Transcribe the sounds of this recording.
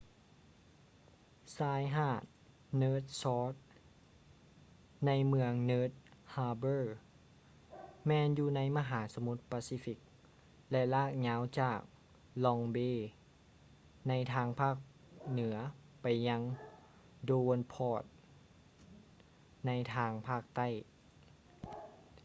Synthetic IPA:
saː˧˥jɦaː˧˩t̪̚ | nɤː˧˥t̪̚sɔː˧˥t̪̚ | na˧˥jmɯ˧əŋnɤː˧˥t̪̚haː˧bɤː˧˩ | mɛː˧njuː˧na˧˥jma˧ɦaː˩˦so˧mu˧˥t̪̚paː˧siː˧˦fi˧˦˥k̚ | lɛ˧laː˥˩k̚ɲaː˨˧˥wt͡ɕaː˨˩k̚ | lɔ˧ŋbeː˧˩ | na˧˥jt̪ʰaː˧˥ŋpʰaː˥˩k̚ | nɯ˩˦ɐ | pa˨˩jːa˧˥ŋ | doː˧npʰɔː˧˩t̪̚ | na˧˥jt̪ʰaː˧ŋpʰaː˥˩k̚t̪a˥˩j

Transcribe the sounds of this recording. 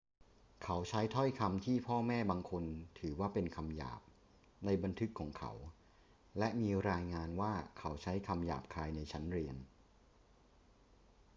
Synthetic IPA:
kʰa˦˥wt͡ɕʰa˦˥jt̪ʰɔ˥˩jkʰa˧mt̪ʰiː˥˩pʰɔː˥˩mɛː˥˩baː˧ŋkʰo˧nt̪ʰɯː˩˦waː˥˩pe˧nkʰa˧mja̰ː˨˩p̚ | na˧jba˧nt̪ʰɯ˦˥kʰːɔː˩˦ŋkʰa̰˧˦˥w | lɛ˦˥miː˧ɾaː˧jŋaː˧nwaː˥˩kʰa˩˦˥wt͡ɕʰa˦˥jkʰa˧mja̰ː˨˩p̚kʰaː˧jna˧jt͡ɕʰa˦˥nɾi˧ən

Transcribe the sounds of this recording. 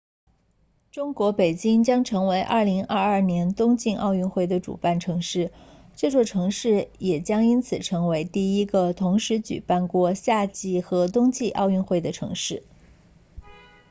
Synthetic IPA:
ʈ͡ʂʊ˥ŋkwɔ˧˥pe˨˩ɪt͡ɕi˥ŋt͡ɕjɑ˥ŋʈ͡ʂʰɤ˧˥ŋwe˧˥ɪʔɐ̰˥˩li˧˥ŋʔɐ̰˥˧ɐ˞˥˩njɛ˧˥nt̪ʊ˥ŋt͡ɕi˥˧ŋʔɑ̰˥˧ʊy˥˧nxwe˥˩ɪd̪ə˩ʈ͡ʂṵ˨˩pa˥˩nʈ͡ʂʰɤ˧˥ŋʂɻ̩˥˩ | ʈ͡ʂɤ˥˧t͡swɔ˥˩ʈ͡ʂʰɤ˧˥ŋʂɻ̩˥˩jɛ˨˩t͡ɕjɑ˥ŋi˥nt͡sʰɹ̩˨˩ʈ͡ʂʰɤ˧˥ŋwe˧˥ɪt̪i˥˩i˥ɡə˧t̪ʰʊ˧˥ŋʂɻ̩˧˥t͡ɕy̰˨˩pa˥˧nkwɔ˥˧ɕja˥˧t͡ɕi˥˩xɤ˧˥t̪ʊ˥ŋt͡ɕi˥˧ʔɑ̰˥˧ʊy˥˧nxwe˥˩ɪd̪ə˩ʈ͡ʂʰɤ̰˧˥ŋʂɻ̩˥˩

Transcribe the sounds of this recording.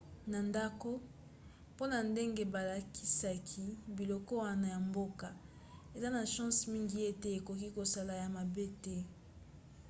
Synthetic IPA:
na˨nda˦ko˦ | po˦na˨nde˦ŋɡe˦ba˨la˨ki̥˦sa˦kʰi˦bi˨lɔ˨kɔ˦wa˦na˨ja˨mbo˦ka˨ | e˨za˦na˨ʃã˦smi˦ŋɡi˦je˦tɛ˦e˨ko˨ki˦ko˨sa˦la˨ja˨ma˨be˦tɛ˦

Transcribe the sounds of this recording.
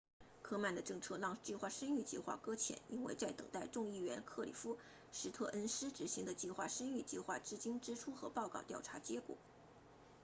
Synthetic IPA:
kʰɤ˥ma˥˩nd̪ə˩ʈ͡ʂɤ˥˩ŋʈ͡ʂʰɤ˥lɑ˥˩ŋt͡ɕi˥˧xwa˥˩ʂə˥ny˥˧t͡ɕi˥˧xwa̰˥˩kɤ˥t͡ɕʰjɛ̰˧˩˦ni˥nwe˥˧ɪt͡sa˥˩ɪt̪ɤ˨˩ŋt̪a˥˧ɪʈ͡ʂʊ˥˧ŋi˥˩ɥɛ˧˥nkʰɤ˥˩lḭ˨˩fu˥ | ʂɻ̩˧˥t̪ʰɤ˥˩ʔə˥nʂɻ̩˥ʈ͡ʂɻ̩˨˩ɕi˧˥ŋd̪ə˧t͡ɕi˥˧xwa̰˥˩ʂə˥ny˥˩t͡ɕi˥˧xwa̰˥˩ʈ͡ʂɻ̩˥˩t͡ɕi˥ŋʈ͡ʂɻ̩˥ʈ͡ʂʰu˥xɤ̰˧˥pɑ˥˧ʊkɑ˥˩ʊt̪jɑ˥˩ʊʈ͡ʂʰa˧˥t͡ɕjɛ˧˥kwɔ̰˨˩˦

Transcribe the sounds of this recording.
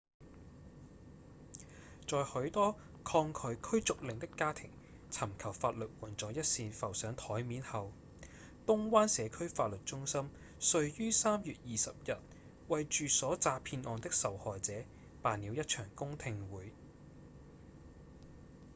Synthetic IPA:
t͡sɔː˨jhɵ˨˥wt̪ɔː˥ | kʰɔː˧ŋkʰɵ˨˧ɥkʰɵ˥ɥt͡sʊ˨k̚lɪ˨˩ŋt̪ɪ˥kːaː˥t̪ʰɪ̰˨˩ŋ | t͡sʰɐ˨˩mkʰɐ˨˩wfaː˧t̚lɵ˨t̚wuː˨˩nt͡sɔː˨˥jɐ˥t̚siː˧fɐ˨˩wsœː˨˥ŋt̪ʰɔː˨˥jmiː˨˥nhɐ˨w | t̪ʊ˥ŋwaː˥nsɛː˨˧kʰɵ˥ɥfaː˧t̚lɵ˨t̚t͡ʃʊ˥ŋsɐ˥m | sɵ˧ɥjyː˥saː˥mjyː˨t̚jiː˨sɐ˨p̚jɐ˨t̚ | wɐ˨jt͡ʃyː˨sɔː˨˥t͡saː˧pʰiː˧nʔɔː˨nt̪ɪ˥k̚sɐ˨whɔː˨jt͡sɛː˨˥ | paː˨nːiː˨˧wjɐ˥t̚t͡ʃʰœː˨˩ŋkʊ˥ŋt̪ʰɪ˧ŋwuː˨˥j

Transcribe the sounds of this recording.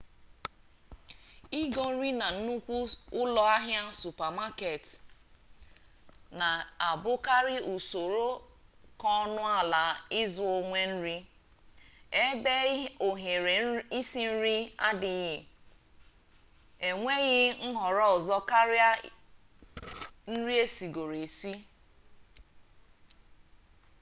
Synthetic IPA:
i˦ɡɔ˦n̩˦ɾi˦na˨n̩˦nu˦kʷu˦ʊ˦lɔ˦a˦ɦja˦su˨pa˨ma˦ke˨t | na˨a˨bʊ˦ka˦ɾɪ˦ʔu˨so˨ɾo˦kɔ˦nʊ˦a˦la˨ɪ˦zʊ˨o˦ŋʷe˦n̩˦ɾi˦ | e˦be˦o˨ɦe˨ɾe˨i˦si˦n̩˦ɾi˦a̰˦dɪ˨ɣɪ˨ | e˨ŋʷe˦ɣɪ˦ŋ̩˦ɦɔ˨ɾɔ˦ɔ˨zɔ˦ka˦ɾja˦ | n̩˦ɾi˦e˦si˨ɡo˨ɾe˨si˦

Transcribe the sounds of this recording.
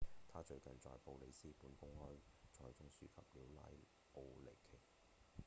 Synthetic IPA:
t̪ʰaː˥t͡ʃɵ˧ɥkɐ˨nt͡ʃɔ̰ː˨jpo˨˧wle˨˧jsiː˥puː˨˥nkʊ˥ŋhɔː˥jt͡ʃʰɔː˨˩jt͡sʊ˥ŋsyː˥kʰɐ˨p̚liː˨˥wla̰ː˥j | o˨˧wle˨˩jkʰe˨˩j

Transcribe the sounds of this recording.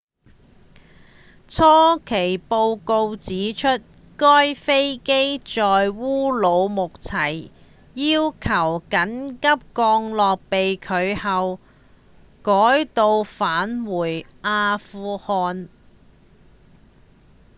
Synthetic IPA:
t͡sʰɔː˥kʰe˨˩jpo˧wko˧wt͡siː˨˥t͡ʃʰɵ˥t̚ | kɔː˥jfe˥jke˥jt͡sɔː˨jwuː˥lo˨˧wmʊ˨k̚t͡sʰɐ˨˩j | jiː˥wkʰɐ˨˩wkɐ˨˥nkɐ˥p̚kɔː˧ŋlɔː˨k̚pe˨jkʰɵ˨˧ɥhɐ˨w | kɔː˨˥jt̪o˧wfaː˨˥nwuː˨˩jʔaː˧fuː˧hɔː˧n

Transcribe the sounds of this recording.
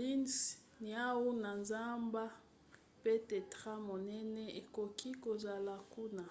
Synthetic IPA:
li˦ns | ni˨a˦wu˦na˨nza˦mba˦ | pe˦te˨tʁa˦mo˨nɛ˦nɛ˦e˨ko˨ki˦ko˨za˨la˨ku˦na˨

